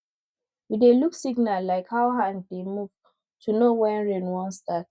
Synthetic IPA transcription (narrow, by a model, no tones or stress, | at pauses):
wideluksiɡ̚nallaɪkhaʊɦãndemuv̥ | tʰunowɛ̃nɹɛ̃nwɔ̃nstat̚